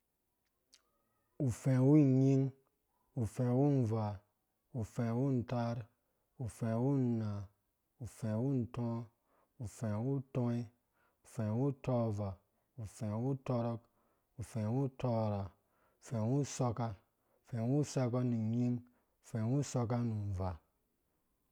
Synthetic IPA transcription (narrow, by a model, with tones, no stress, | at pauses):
u˨fẽ˨wu˦˨ɲi˦ŋ | u˨fẽ˨wu˦n̩˨va˨ | u˨fẽ˨wu˦n̩˨ta˦ɾ | u˨fẽ˨wu˦n˨na˨ | u˨fẽ˨wu˦n̩˨tɔ̃˦ | u˨fẽ˨wu˦to˦e˦ | u˨fe˨wu˦to˦va˨ | u˨fẽ˨wu˦tɔ˦ɾɔ˦k | u˨fẽ˨wu˦to˦˨ɾa˨ | u˨fe˨wu˦so˦ka˦ | u˨fẽ˨wu˦sa˦k̬a˦ni˨ɲi˦ŋ | u˨fe˨wu˦so˧ka˦nu˨n˨va˨